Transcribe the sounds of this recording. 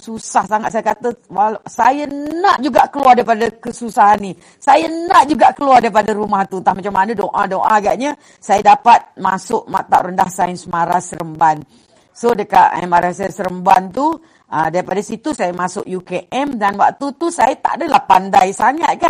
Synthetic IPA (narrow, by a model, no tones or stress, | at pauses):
susahsaŋat̪̚sajaəkat̪əwalsajənaʔd͡ʒuɡaʔkəluardaɾipadakəsusaɦanːi | sajənaʔd͡ʒuɡaʔkəluardaɾipadaɾumaht̪unt̪aŋmat͡ʃamanədoʔa̰doʔa̰aɡa̰ʔɲə | sajadapat̪̚masʊʔma̰t̪a̰ʔɾəndahsaɪnsəmaɾasəɾəmban | sodəka̰ʔə̰maɾasasəɾəmbant̪u | ə̰daɾipadasit̪usajəmasʊ̰ʔjukeʔɛmdanwa̰k̚t̪ut̪usajat̪a̰ʔdəlahpa̰ndajsaŋa̰t̪̚ka